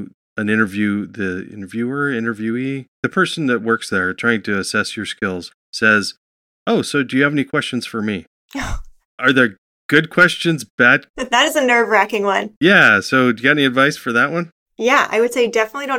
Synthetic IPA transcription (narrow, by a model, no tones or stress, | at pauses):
ɨ̃nɪ̃ɾ̃ə˞vjʉðiɪ̰̃nə˞vjʉə˞ɪ̃ɾ̃ə˞vjʉiðɨpʰɜ˞sn̩ðɨt̚wɜ˞ksðə˞tʰɹ̥aɪɪ̃ŋtʰɨːsɛsjə˞skɪlˠz̥ | sɛz | oʊsoʊdɨjɨːvɛnikʰw̥ɛst͡ʃɨ̃n̩z̥fə˞mi | ʔə˞ðə˞ | ɡ̥ʊd̚kʰw̥ɛst͡ʃɨ̃nzb̥æd̚ðɨɾɨzɨnɜ˞vɹækɪ̃ŋwʌ̰̃njæsoʊdɨɨɡɛɾɛniɨdvaɪsfə˞ðəʔ̚wʔʌ̃n | jæa̰ɪwɨd̥seɪjɨdɛfənətˡliɾõʊ̃